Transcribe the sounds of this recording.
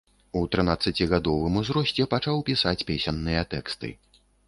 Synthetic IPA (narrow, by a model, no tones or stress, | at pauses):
ut̪ɾɨnat̪sːɐt͡sʲiɣad̪ɔvɨmuzɾɔsʲt͡sʲɛpat͡ʂawpʲisat͡sʲpʲesʲɛnːɨjɐt̪ɛkst̪ɨ̰